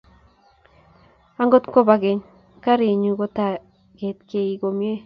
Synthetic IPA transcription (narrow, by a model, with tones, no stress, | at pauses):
a˦ŋɡo˦t̪ko˦ba˨ɡe˨ɲ | ka˦ɾe˨ɲu˨ɡo˦t̪a˨ | ɡ̥e˨t̪̚ke˧i˨ɡo˨mje˦